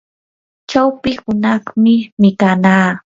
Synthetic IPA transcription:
t͡ʃawpɪhʊnɑχmɪmɪkanaː

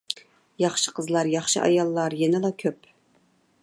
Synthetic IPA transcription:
jɑχʃə̥qʰəzlˠɑɾjɑχʃɨ̰ʔɑ̰jɑlˠːɑɾjɛnɪlˠɑkʲʰøp

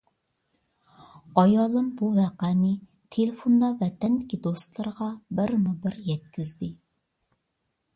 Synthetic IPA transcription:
ɑjɑlˠɨmbuvɛqænɪ | t̪ʰelefond̪ɑvɛt̪ɛnd̪ɪkʲid̪ost̪lˠɨɾʁɑbɪɾmubɪɾjɛt̪̚kʲyzd̪ɪ

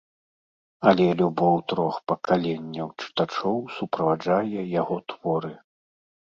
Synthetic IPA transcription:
ɐlʲɛlʲubɔwt̪ɾɔxpɐkʰalʲɛnʲːɐwt͡ʂɨ̥t̪at͡ʂɔwsupɾɐvad͡ʐajɛjaɣɔt̪v̥ɔɾɨ

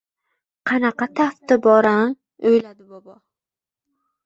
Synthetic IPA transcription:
qʰɑnɑqɑt̪ʰaft̪ɪbɒɾan | ojlad̪ɪbɒbɒ

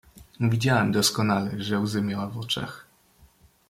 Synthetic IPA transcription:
vʲid͡ʑawɛmd̪ɔskɔnalɛʐɛwzɘmʲjawavɔt͡ʂɛ̰x

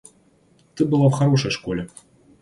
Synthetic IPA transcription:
t̪ɨbɨlˠawxaɾɔʂɐjʂkɔlʲɛ

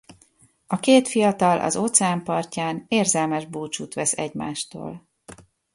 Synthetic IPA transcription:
ɒkeːt̪fijɒt̪ɒlʔɒ̰zo̞t̪sɛaːmpɒrcaːneːrzɛlmɛʒbuːt͡ʃuːt̪ʋɛsɛ̰ɟma̰ːʃt̪o̰ːl

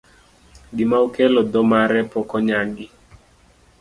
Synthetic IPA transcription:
dimaukɛlɔd̪ɔmaɾɛpɔkɔɲaɡɪ

